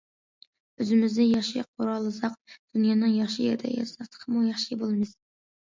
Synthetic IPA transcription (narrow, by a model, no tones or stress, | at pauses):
øzɪmɪzd̪ɪjɑχʃiqʰoɾɑlˠɨzɑq̚d̪̥unjɑːnɨŋjɑχʃijḛɾd̪ɛ̰jɛ̰sɑt̪ʰə̥qʰəmujɑχʃibolˠɨmɨz̥